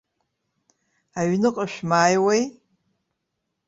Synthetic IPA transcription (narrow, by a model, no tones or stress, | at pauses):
aɥnɨqʼaʃᶣmaːjwej